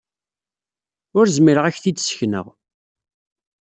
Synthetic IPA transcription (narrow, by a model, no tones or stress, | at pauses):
ʊɾzmiɾəʁæçθid̪sçnə̰ʁ